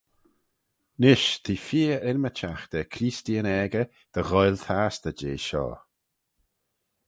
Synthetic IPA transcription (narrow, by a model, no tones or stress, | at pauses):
nɪʃt̪ʰiːfiːʔɪɾmət͡ʃʰaxd̪ɛkʰɾiːstiənɛːɡə | d̪̥əɣɔjlt̪ʰaːsd̪̥əd͡ʒeːʃɔ̰ː